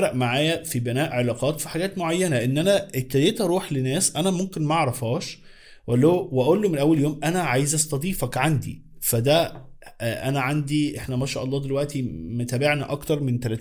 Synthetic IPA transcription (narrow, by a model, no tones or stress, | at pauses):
ɾˤɑʔmaʕaːjæfibenæːʔʕelɑːqɑːt̪fi̥ħaɡæːt̪moʕajːænæʔenːʔænæʔet̪ːæd̪eːt̪ʔæɾˤuːħlenæːsʔænæmomkenmæʕɾˤɑfɑːʃ | wʔælːæwʔæʔolːomenʔæwːæljoːmʔænæʕajzʔæst̪ɑd̪ˤiːfækʕand̪ḭ | fæd̪æ | ʔæ̰næʕand̪iʔeħnæmæʃæ̰ːʔɑlˤːɑːd̪elwæʔt̪imæt̪æːbeʕnæʔɑkt̪ɑɾˤment̪ælæːt̪ː